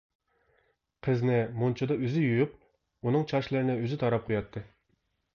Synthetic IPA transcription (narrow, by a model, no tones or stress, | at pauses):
qʰəznɪmunt͡ʃʰɑd̪ɑøzɪjyjyp̚ | unɨŋt͡ʃʰɑʃlˠɨɾɪnɪøzɪt̪ʰɑɾɑp̚qʰojɑt̪ʰːɨ